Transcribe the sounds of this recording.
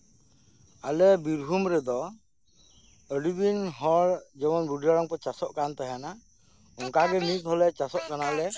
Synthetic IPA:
alɛbiɾɦumɾɛd̪ɔ | əɖid̪inɦɔɭd͡ʒɛmɔnbuɖiɾaɾɔŋpɔt͡ʃasɔʔkant̪aɦjana | ɔŋkaɡɛnishɔlɛt͡ʃasɔʔkanalɛ

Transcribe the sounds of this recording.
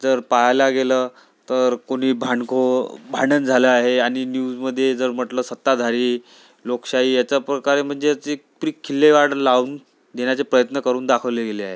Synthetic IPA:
d͡zəɾpajlaɡelə | t̪əɾkoɽ̤̃iːbʱaɳkʰobʱaɳənd͡zʱaləaɦeaɽ̃injuːd͡zməd̪ʱːjed͡zəɾm̤əʈləːsət̪ːad̪ʱaɾiː | lokʂaiːjat͡ɕapɾəkaɾem̤əɳd͡zeat͡si | pɾiːkʰːilːeʋaɽlauːn | d̪eɳjat͡sepɾəjət̪nəkəɾuːnd̪akʰəʋleɡeleaɦe

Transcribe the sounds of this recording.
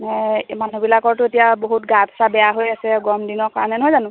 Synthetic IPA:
nɛmanubilakɔɹtʊetijaboɦutɡatʰsabɛjaɦojasɛɡɔmdinɔkanɛnɔɦɔjzanʊ̃

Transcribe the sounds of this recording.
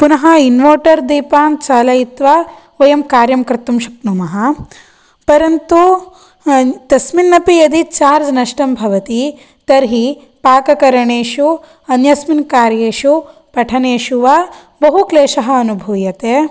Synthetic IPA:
punɐɦɐinʋoːʈɐɾd̪iːpaːnt͡ʃaːlɐjit̪ʋa | ʋɐjɐmkaːɾjɐmkɾɪt̪ːumʃɐknumɐɦɐ̆ | pɐɾɐnt̪u | t̪ɐsminːɐpijɐd̪it͡ʃaːɾd͡ʒnɐʂʈɐmbʱɐʋɐt̪i | t̪ɐɾɦi | paːkɐkɐɾɐɳeːʃu | ɐnjɐsminkaːɾjeːʃupɐʈʰɐneːʃuʋa | bɐɦukleːʃɐɦɐɐnubʱuːjɐt̪eː

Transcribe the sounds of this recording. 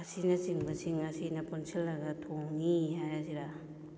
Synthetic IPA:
ɐsinɐt͡ʃiŋbɐsiŋɐsinɐpunsʰilːɐɡɐtʰoŋniɦajaziɾa

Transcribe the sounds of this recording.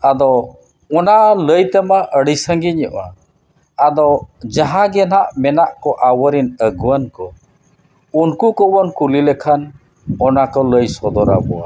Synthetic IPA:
ad̪ɔ | ɔnaləjt̪ɛmaʔəɽisəŋɡiɲəʔaː | d̪ɔd͡ʒaɦãɡɛnaʔmɛnaʔkɔʔawəɾinəɡuankɔ | unkukɔbɔnkulilɛkʰan | ɔnakɔləjsɔd̪ɔɾa̰bɔwa̰

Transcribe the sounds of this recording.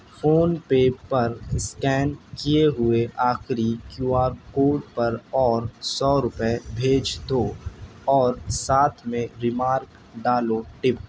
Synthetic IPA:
foːnpeːpɐɾskɛːnkijeɦʊeʔaːxɾikjuːaːɾkoːʈ̚pɐɾɔːɾsɔːɾʊpbʱeːd͡ʒd̪oːɔːɾsaːt̪ʰmẽɾɪmaːɾk | ɖaːloʈɪp̚

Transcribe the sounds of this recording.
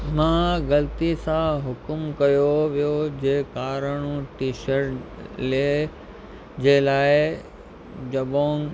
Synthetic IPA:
mãːɣɐlt̪isãɦʊkmkɐjoʋijod͡ʑeːkaːɾəɽ̃ũʈiːʃəɾʈleː | d͡ʑeːlaːɪ | d͡ʑɐboː

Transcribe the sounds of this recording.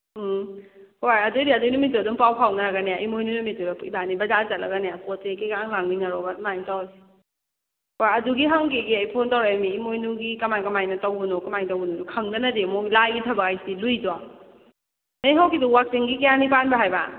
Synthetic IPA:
hojɐdojdiɐdojnumitodumpawpʰawnaɾaɡɐnejaʔimojnunumitudapibanibɐzazɐt̚lʔɐ̰ɡɐnejapɔtekekaŋlaŋniŋaɾɔɡamajntawsi̥ | hojɐduɡiɦaŋkeɡiajpʰontawɾajmiːmojnuɡikɐmajkɐmajnɐtawɡunɔkɐmajntawunɔdukʰɐŋdɐnɐdemolajɡitʰɐbakajsilujzwa | nejɦawkiduwak̚siŋɡikijanipanbaɦajba

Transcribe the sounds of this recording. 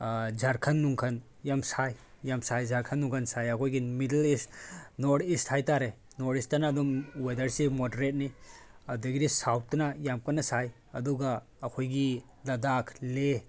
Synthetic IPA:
d͡ʒaɾkʰɐnːuŋkʰɐn | jamsaj | jamsajzaɾkʰɐnːuŋkʰɐnsajɐkʰojɡimidelistnoɾistʰhajtaɾe | noɾistanaːdɔmwedɐɾsimodɐɾet̚niɐdeɡiɾisawt̚ːɐnɐjamkɐnːɐsaj | ɐduɡɐː | kʰojɡi | lɐdakʰle

